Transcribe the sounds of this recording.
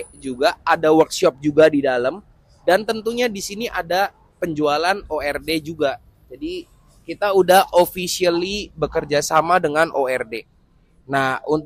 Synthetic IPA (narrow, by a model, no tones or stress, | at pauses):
d͡ʒuɡaadawərt̪̚ʃɔp̚d͡ʒuɡadidaləm | dant̪ənt̪uɲadisiniʔada | pəɲd͡ʒualanoɛrded͡ʒuɡa | d͡ʒadi | kit̪audahofisiəlibəkərd͡ʒasamadəŋanʔoɛrde | nahun